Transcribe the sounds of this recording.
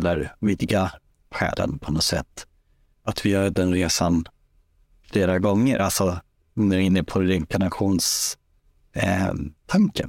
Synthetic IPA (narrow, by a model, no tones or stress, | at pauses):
lːəɾviːd̪ɪɡa | ɧɛ̰ːlə̰npʰɔnɔsɛ̰t̪ː | at̪vɪjœːɾɖɛnɾeːsan | fleːɾaɡɔŋːəɾʔalsɔ | nɛɪnːəpʰɔɪŋkʰaɳaɧuːns | t̪ʰaŋkə̰n